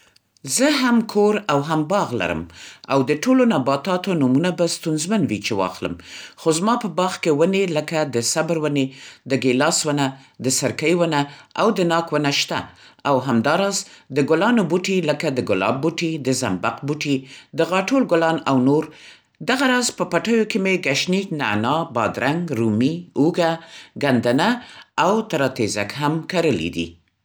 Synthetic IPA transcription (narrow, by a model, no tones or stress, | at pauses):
zəɦamkʰoɾawɦambɑɣla̰ɾə̰ma̰wd̪əʈʰolonabɑt̪ɑt̪onumunabast̪unzmanwit͡ʃewɑ̰xlə̰mxozmɑpəbɑɣkewəneləkad̪əsabɾwəned̪əɡelɑswəna | d̪əsaɾkəjwənaawd̪ənɑkwənaʃt̪a̰awɦamd̪ɑɾɑzd̪əɡʊlɑnobuʈiləkad̪əɡʊlɑ̰b̚ːuʈid̪əzambaqbuʈid̪əɣɑʈolɡʊlɑnawnoɾ | d̪aɣaɾɑzpəpaʈəjokemeɡaʃnikna̰nɑbɑ̰d̪ɾaŋɡɾumiuɡaɡand̪anaawt̪aɾɑt̪eza̰kɦamkaɾəlḭd̪ḭ